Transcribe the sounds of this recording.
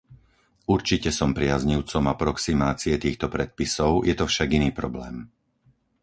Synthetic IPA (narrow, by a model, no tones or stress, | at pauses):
uɾt͡ʃicɛsɔmpɾɪazɲiʊt͡sɔmapɾɔksimaːt͡siɛt̪iːxt̪ɔpɾɛt̪̚pisɔʊjɛt̪ɔfʃaɡiniːpɾɔblɛ̰ːm